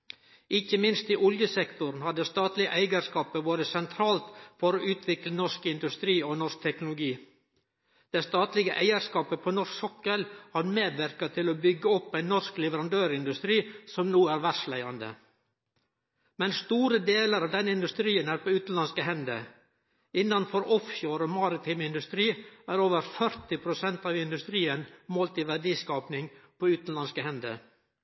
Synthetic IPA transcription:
ʔɪçəmɪnst̪ɪʔɔljəsɛkt̪ʊɾnhɑd̪əst̪ɑːt̪lɪəʔæɪɡəɾskɑːpəboːd̪əsɛnt̪ʰɾɑːlt̪fɔɾoːʔʉːt̪ʰʋɪklənɔʂkɪnd̪ʉst̪ɾiːoːnɔʂk̚t̪ʰɛknʊlʊɡiː | d̪̥ɛst̪ɑːt̪lɪɡəʔæɪəɾskɑːpəpʰoːnɔʂksɔkːəlhɑɾmeːd̪ʋæɾkɑt̪ʰɪloːbʏɡːəɔpːæɪnːɔɾsklɛʋəɾɑnd̪øːɾɪnd̪ʉst̪ɾiːsɔmnuːæɾʋæʂlæɪɑnd̪ə̰ | mɛnst̪uːɾəd̪eːləɾɑʋd̪ɛnːəɪnd̪ʉst̪ɾiːənæːɾpʰoːʉːt̪n̩lɑnskəɦɛnd̪ə̰ | ɪnːɑnfɔɾʔɔfçoːɾoːmɑɾɪt̪ʰɪmɪnd̪ʉst̪ɾiːæːɾoːʋəɾfœɾt̪ɪpʰɾʊsɛnt̪ɑːʋɪnd̪ʉst̪ɾiːənmoːlt̪ɪʋæɖiːskɑːpnɪŋpʰoːʉːt̪n̩lɑnskəɦɛnd̪ə̰

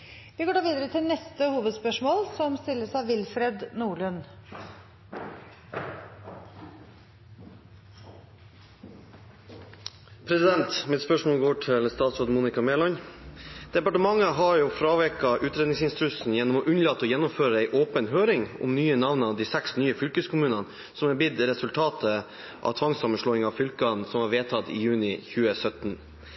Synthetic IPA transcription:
ʋɪɡoːɖɑːʋiːd̪əɾət̪ʰɪlnɛst̪əhuːʋəd̪spœʂmoːlsɔmst̪ɪlːəsɑʋɪlfɾed̪nuːɭʉn | pʰɾɛsɪd̪ɛnt̪mɪt̪spœʂmoːlɡoːʈʰɪlst̪ɑːt̪sɾoːd̪muːnɪkɑmeːlɔɲ | d̪̥ɛpɑʈəmɑŋːəɦɑjuːfɾɑːʋɛkɑʔʉːt̪ɾeːd̪ɪŋsɪnst̪ɪt̪ʰʉsn̩jɛnːɔmɔːʔʉnəlɑt̪ːəɔːjɛnːɔmføːɾəæɪʔoːpənhøːɾɪŋʊ̰mnyːənɑʋnd̪iːsæksnyːəfʏlkəskʰʊmʉːnɑn | sɔmɛːbɪd̪ɾɛsʉlt̪ʰɑːt̪ʰə | ʔɑ̰ʋt̪ʰʋɑŋsɑmənʂɭoːɪŋɑʋfʏlkɑnsɔmhɑːɾʋeːt̪ʰɑt̪ḭːjʉːnɪçʉːəsœt̪n̩

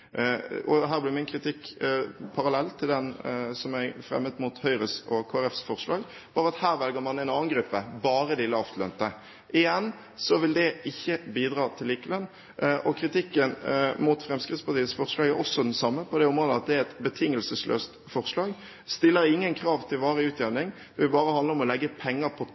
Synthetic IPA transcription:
ɔ̰ɦæːʁblɪʁmɪnkʰʁɪt̪ʰɪkpʰɑɾɑlɛlt̪ʰɪld̪ɛnsɔmæfɾɛ̰mːəd̪muːt̪hœʏɾəsɔkʰoːæʁɛfsfɔʁʂlɑːɡ | b̥ɑːɾəɑt̪hæːɾʋɛlɡəɾmɑnɛɪnɑːənɡɾʉpːəbɑːɾəd̪ɪlɑft̪ʰlœnt̪ə | ʔɪjɛnː | sɔʋɪld̪ɛʔɪçːəbiːd̪ʁɑːt̪ʰɪlːiːkəlœnː | ʔɔkʰɾɪt̪ʰɪkːənmuːt̪fʁɛmskʁɪd̪spɑʁt̪iːət̪sfɔʁʂlɑːɡæɾɔsɔd̪ɛnsɑmːəpʰɔd̪ɛɔmʁɔd̪əɑt̪̚d̪ɛæɛt̪bət̪ʰɪŋːəlsəslʔø̰ːst̪fɔʁʂlɑːɡ | st̪ɪlːəɾɪŋːənkʰɾɑːʋt̪ʰɪlʋɑːʁəʉːt̪ʰjɛʋnɪŋd̪ɛʋɪbɑːɾəhɑnd̪əɾɔmɔlɛɡːəpʰɛŋːəpʰɔ

